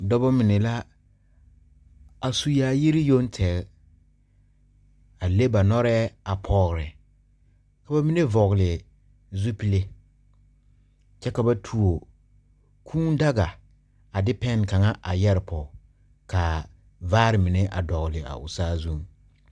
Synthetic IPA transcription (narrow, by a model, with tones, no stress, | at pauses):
dɔ˦bɔ˦mɪ˨nɛ˨la˦ | a˨su˨jaː˨˦ji˦ɾɪ˦jo˦ntʰɛ˨l | a˨le˦ba˨nɔ˦ɾɛː˦a˨pʰɔː˦ɣɾɛ˨ | ka˨ba˨mɪ˦ne˦vɔ˨ɣlɪ˨ | zu˦pi˦le˦ | t͡ʃɛ˦ka˨ba˨tʰu˨o˨ | kʰuː˦n˦da˦ɡa˨ | a˨dɪ˦pɛ˦n˨ka˨ŋa˦ʔa˨jɛ˦ɾɪ˨pʰɔ˨ | ka˨ | vaː˦ɾɪ˨mɪ˨nɛ˦ʔa̰˨dɔ˨ɣlɪ˨a̰˨ʔʊ̰˨saː˦zu˦ŋ